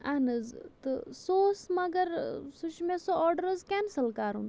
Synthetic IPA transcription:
anɨzt̪ɨsoːsmɐɡɐɾsuʃmẽsoɔːɾɖəɾɐzkʲɛːnsɐlkaːɾṵnd̪

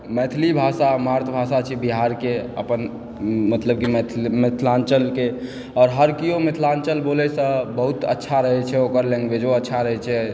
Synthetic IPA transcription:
mɛt̪ʰlibʱasamaɾt̪ʰbʱasat͡ʃʰibiɦaɾkeə̰pən | mət̪ləb̚kimt̪ʰmet̪ʰlant͡ʃəlke | ɔːɾɦəɾkijomet̪ʰlant͡ʃəlbolɛsə̃bəɦut̪ə̰tːʃʰaɾəɦɛt͡ʃʰɛoːkəɾlɛ̃ŋɡbed͡ʒoətːʃʰaɾəɦɛt͡ʃʰɛ

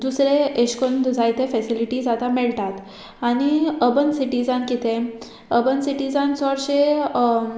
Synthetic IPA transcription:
d̪usɾeeɕkond̪d͡zajt̪efɛsiliʈid͡zat̪ameɭt̪at̪ | aɽ̃iəbənsiʈid͡zankit̪e | əbənsiʈid͡zant͡sɔɽɕe

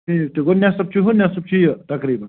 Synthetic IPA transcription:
it̪iɡonjasɐb̚t͡ʃʰiɦonjasɐp̚t͡ʃʰijət̪ɐkɾiːbɐ

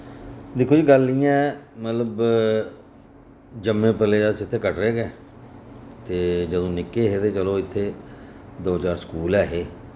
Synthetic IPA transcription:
d̪ɪkʰːoːd͡ʒiːɡəlːiːãɛːmət̪ləb | d͡ʒəmːẽːpəleːasɪt̪ʰːeːkəʈɾeːɡɛː | t̪eːd͡ʒəd̪õːnɪkːeːɦeːd̪eːt͡ʃəloːɪt̪ʰːeːd̪oːt͡ʃaːɾskuːlɛːɦeː

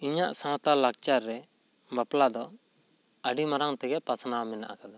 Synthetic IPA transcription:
iɲaʔsãt̪alak̚t͡ʃaɾːɛ | baplad̪ɔ | əɖimaɾaŋt̪ɛɡɛpasnawamɛna̰ʔa̰kad̪a

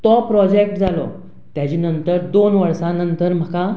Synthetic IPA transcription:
t̪ɔpːɾɔd͡ʑek̚ʈd͡zʱalɔ̰ | t̪jat͡ɕiːnənt̪əɾd̪onʋəɾsãnənt̪əɾm̤əka

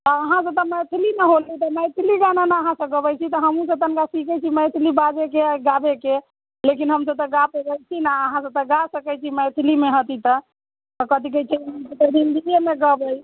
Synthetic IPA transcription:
t̪ɔːɦãs̬ə̃t̪ɔmət̪ʰilinəɦolːit̪əməjt̪ʰiliɡananaəɦãsə̃ɡəbəjt͡ʃʰit̪ɔɦəmũs̬ə̃t̪ənkasikɛt͡ʃʰiməjt̪ʰilibad͡ʒekeɡabeke | lekinɦəmsət̪ɔɡapebət͡ʃʰinaəɦãsə̃t̪əɡasəkɛt͡ʃʰiməjt̪ʰilimeɦət̪it̪ə | t̪ɔkət̪ikɛt͡ʃʰiɦmsət̪əɾind̪iemeɡəbəj

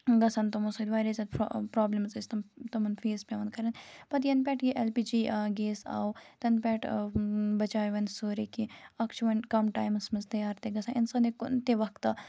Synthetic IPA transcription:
ɡɐsɐnt̪ɐmosɐd̪ʲʋaːɾizɐd̪ppɾɔːblɐmzɐst̪ɐmt̪ɐmɐnfʰeːzpʲɐːʋɐnkɐɾɐnpɐt̪jɐnpʲɛːʈjiʔɛlpiːd͡ʒiːɡeːsa̰ːot̪ɐnpʲɛːʈ | bɐt͡ʃaːjʋɐnsoːɾekiɐkt͡ʃʰuʋɐnkɐmʈaːjmsmɐzt̪ɐjaːɾt̪eɡɐsãɪnsɐnekʊnt̪eʋɐkt̪

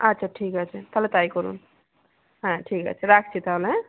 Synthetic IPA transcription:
ətːt͡ʃʰaʈʰikət͡ʃʰɛt̪ʰələt̪aikɔɾṵn | ɦãʈʰikə̰t͡ʃʰɛɾakʰt͡ʃʰit̪alẽ

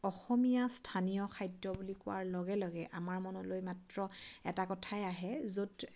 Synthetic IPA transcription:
ɔxɔmijastʰanijɔkʰajdɔbulikʊwa̰ɹlɔɡɛlɔɡɛʔamaɹmɔnɔlojmatɹɔɛtakɔtʰajaɦɛzod

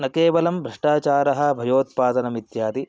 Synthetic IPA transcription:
nɐkeːʋɐlɐmbʱɾɐʂʈaːt͡ʃaːɾɐɦɐ̆bʱɐjoːt̪̚paːd̪ɐnɐmit̪jaːd̪i

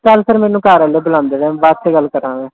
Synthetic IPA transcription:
kəlsəɾmɛ̃ːnũːkaːɾəːleːbəlãːnd̪eːʋɛ̃ːbaːd̪seːɡəlkəɾãːʋẽː

